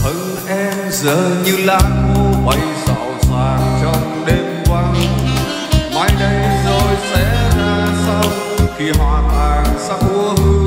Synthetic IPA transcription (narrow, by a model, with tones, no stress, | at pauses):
t̪ʰə˨˧˩ŋ | ʔɛ˧mzəː˧˩ɲɨ˧laː˧t̚ku˧˦ɓə˧˩jza̰˧˩wsaː˨˩t͡ɕɔ˧ŋ͡m | ɗe˧mkwa˧ŋ | maː˧˦jɗə˧jzo˨˩jsɛ̰˧˥˧naː˨˩sa˧w | xʰi˨˩ɦwaː˨˩aː˨˩ŋsa˧w̚ʔu˧˦əhɨ˧